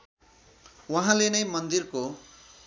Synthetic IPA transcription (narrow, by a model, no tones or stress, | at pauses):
waɦãlenʌjmʌnd̪irko